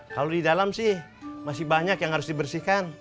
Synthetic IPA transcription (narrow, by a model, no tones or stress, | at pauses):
kalodidalamsɪh | masɪhbaɲakjaŋhaɾʊsdibərsihkan